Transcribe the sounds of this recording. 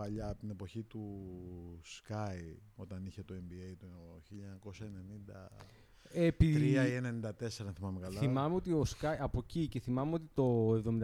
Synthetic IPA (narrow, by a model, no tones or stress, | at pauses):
ɐʎɐːpt̪inepo̞çit̪u | skɐjo̞t̪ɐniçe̞t̪oe̞mbiejt̪uçiʎɐɲɐko̞sɐene̞nind̪ɐ̰ | epiɾiɐienenind̪ɐt̪e̞seɾɐnθimɐmekɐlɐimɐmeo̞t̪io̞skɐjɐpo̞cice̞θimɐme̞o̞t̪it̪o̞evðo̞mind̪